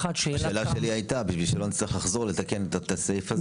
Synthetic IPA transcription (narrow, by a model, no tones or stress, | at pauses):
at̪ʃeaʃeːlaʃeliajtabiʃvilʃelonit͡sliχlaχzo̞le̞t̪ake̞net̪at̪asefaz